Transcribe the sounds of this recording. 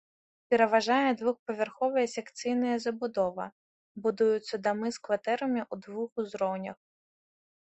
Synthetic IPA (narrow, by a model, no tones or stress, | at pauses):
pʲiɾeʋɐʒɑjɛd̪ʋuxpɔʋʲɛrxɔʋɪjɛsʲɛkt̪sɨjnɔjɐzɐbʊd̪ɔʋɐ̰ | bʊd̪ujʊt͡s̪ʲːɐd̪ɐmɪskʋɐt̪ɛɾɐmɪʔud̪ʋuxʊzɾɔwnʲɐx